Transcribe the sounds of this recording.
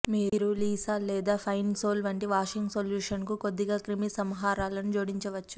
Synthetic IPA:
miːɾuliːsaːlɛːd̪aːpʰɐjnsoːlʋɐɳʈiʋaːʂiŋɡsoljuːʂɐnkuko̞d̪ːiɡaːkɾimisɐmɦaːɾaːlɐnud͡ʒoːɽiɲt͡ʃɐʋɐt͡ʃːu̥

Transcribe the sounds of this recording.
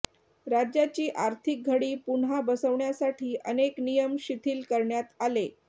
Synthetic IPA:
ɾad͡ʑjat͡ɕiːʔaɾt̪ʰik̚ɡʱəɽiːpuɳɦabəsəʋɳjasaʈʰiːʔəneknijəmɕit̪ʰiːlkəɾɳjat̪ale

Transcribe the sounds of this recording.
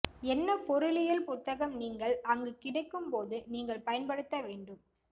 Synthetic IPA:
ɛnːɐpɔɾɯlɪjɐlpʊt̪ːɐɣɐmniːŋɡɐɭɐŋɡɯkɪɽɐɪkːɯmpoːðɯniːŋɡɐɭpɐjɐnpɐɽɯt̪ːɐʋeːɳɖɯm

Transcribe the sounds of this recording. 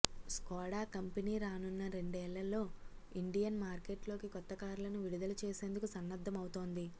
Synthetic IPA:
skɔːɽaːkɐmpɐniːɾaːnunːɐɾe̞ɳɖɛːlːɐlːo̞ːiɳɖijɐnmaːɾke̞ːʈlo̞ːkikɔt̪ːɐkaːɾulɐnuʋiɽid̪ɐlut͡ʃe̞ːse̞ːnd̪ukusɐnːɐd̪ʱːɐmɐwut̪o̞ːnd̪i

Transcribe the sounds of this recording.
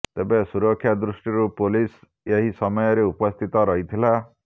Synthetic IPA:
t̪ebesuɾɔkʰːjad̪ɾusʈiɾupulis | eɦisɔmɔjɔɾeupɔst̪ʰit̪ɔɾɔɦit̪ʰila

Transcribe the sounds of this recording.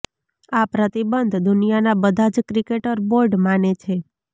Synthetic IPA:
apɾət̪ibənd̪ʱd̪ʊnijanabəd̪ʱad͡ʒkɾikeʈəɾboɾɖmanet͡ʃʰe

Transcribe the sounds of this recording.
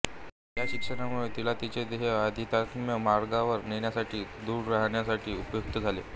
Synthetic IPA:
jaɕikʂənamuɭet̪ilat̪it͡ɕed̪eɦead̪ʱit̪akmjəmaɾɡaʋəɾniɳjasaʈʰiːd̪uːɾːaɦɳjasaʈʰiːupjuk̚t̪əd͡zʱalḛ

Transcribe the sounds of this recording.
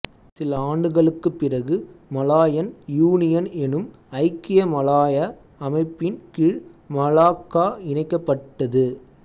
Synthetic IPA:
sɪlɐaːɳɖɯɣɐɭɯkːɯpːɪrɐɣɯmɐlaːjɐnjuːnɪjɐnɛnɯm | ɐɪkːɪjɐmɐlaːjɐː | mɐɪpːɪnkɪɻmɐlaːkːaːɪɳɐɪkːɐpːɐʈːɐðɯ

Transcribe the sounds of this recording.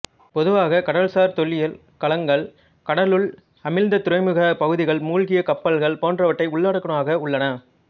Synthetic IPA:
pɔðɯʋaːɣɐkɐɽɐlsaːɾt̪ɔɭːɪjɐl | kɐɭɐŋɡɐɭ | kɐɽɐlɯɭ | ɐmɪlnd̪ɐt̪ʊɾɐɪmɯɣɐpɐɣɯðɪɣɐɭmuːlɣɪjɐkɐpːɐɭɣɐɭpoːndrɐʋɐʈːɐɪʊɭːaːɽɯkːɐɳɐmaːɣɐʊɭːɐnɐ

